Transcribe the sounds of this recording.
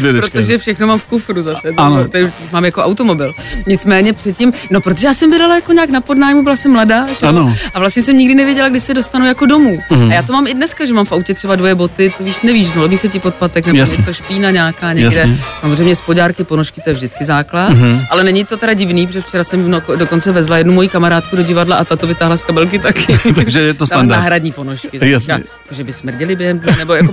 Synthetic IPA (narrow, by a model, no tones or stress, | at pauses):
ɾot̪oʒɛfʃɛxnomaːmfkufɾuzasɛt̪ot̪ɪmaːmjakoʔawt̪o̞mo̞bɪlɲɪt͡smɛːɲɛpr̥ɛt̪̚cɪmno̞pɾot̪oʒɛjaːsɛmbɪdalajako̞ɲaːknapodnaːjmubɪlasɛmːladaːʒɛoʔavlast̪ɲɛsɛmɲɪɡdɪnɛvjɛɟɛlaɡdɪʃsɛdost̪anujako̞do̞muːajaːt̪omaːmɪdnɛskaʒɛmaːmfawcɛt̪r̥ɛbadvo̞jɛbo̞t̪ɪt̪oviːʃnɛviːʃzomiːsɛcɪpot̪̚pat̪ɛknɛomɛt͡sɛʃpiːnaɲaːkaːɲɛjɡdɛsamozrejmɲɛspoɟaːɾkɪpo̞noʃkɪt̪o̞jɛvʒdɪt͡skɪzaːklat̪ʔalɛnɛɲɪt̪o̞t̪ɛɾaɟɪvniːpɾoʒɛft͡ʃɛɾasɛmnodo̞ko̞nt͡sɛvɛzlajɛdnumo̞jikamaɾaːt̪̚kudo̞ɟɪvadlaʔat̪at̪ovɪt̪aːɦlaskabɛlk̬ɪt̪akʰɪt̪aʒɛɛt̪osaɦɾadɲiːpo̞noʃkkɪskaɛjakoʒɛbɪsmr̩ɟɪlɪbjɛɦɛmnɛbojako